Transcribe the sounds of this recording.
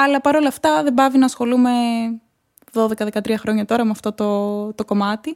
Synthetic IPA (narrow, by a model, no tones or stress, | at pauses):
ɐlɐpɐɾo̞lɐːft̪ɐðe̞bɐvinɐːsxo̞lume̞ | ðo̞ðe̞kɐðe̞kɐt̪ɾiɐxɾo̞ɲɐt̪o̞ɾɐmeɐft̪o̞t̪o̞t̪o̞ko̞mɐt̪i